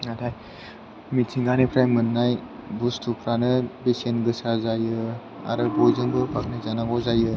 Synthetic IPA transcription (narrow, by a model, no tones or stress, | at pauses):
atʰaj | mitʰiŋɡanipʰɾajmɯnːaj | bustʰupʰɾanɯbesenɡɯsazajɯ | a̰ɾɯbɔjzɯŋbɯbak̚najzanaɡɔzajɯ